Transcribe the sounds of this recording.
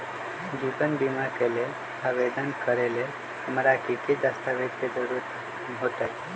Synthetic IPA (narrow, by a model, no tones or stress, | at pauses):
d͡ʒibənbimakelel | aʋed̪ənkəɾelel | həmɾakiked̪əst̪ʰaʋet̪̚ked͡ʒəɾuɾ | ɦot̪aj